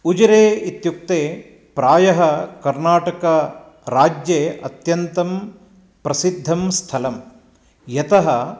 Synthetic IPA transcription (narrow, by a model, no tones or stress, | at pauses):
ud͡ʒɐɾeːit̪juk̚t̪eː | pɾaːjɐɦɐkɐɾnaːʈɐkɐ | ɾaːd͡ʒjeːɐ̰t̪jɐnt̪ɐm | pɾɐsid̪ʱːɐmst̪ʰɐlɐm | jɐt̪ɐɦɐ